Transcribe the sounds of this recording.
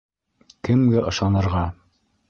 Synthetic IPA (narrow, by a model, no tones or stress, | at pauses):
kɘ̆mɡæʔɤ̆ʃɑnɤ̆ɾʁɑ